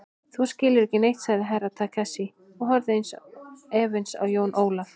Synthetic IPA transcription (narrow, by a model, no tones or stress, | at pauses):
θuscɪːlɪɾɛhcɪnejht̪sajɾɪɦajɾat̪ʰakʰasi | ɔɣɦɔɾðɪejnsɛːvɪnsa̰wjoːwnʔoːwlaf